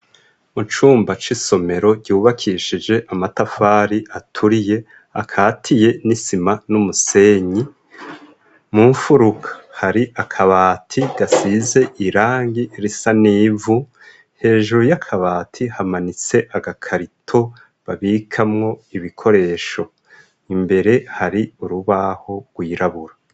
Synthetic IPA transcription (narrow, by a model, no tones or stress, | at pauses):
mut͡ʃuːmbat͡ʃiso̞me̞ɾo̞ɟɟuːβakʰiʃid͡ʒe̞ʔamatafaːɾiʔatʰuɾije̞ | a̰kʰaːtʰije̞nisimanumuse̞ːɲi | muːɱfuɾukʰḁhaɾiʔakʰaβaːtʰiɡ̥asize̞ʔiɾaːŋɡiɾisaniːvu | he̞ːʒuɾujakʰaβaːtʰihamanit͡se̞ʔaɡakʰaɾitʰo̞ | βaβikʰamŋo̞iβikʰo̞ɾe̞ːʃo̞ | imbe̞ɾe̞haɾiuɾuβaho̞ɡ̥wiːɾaβuɾa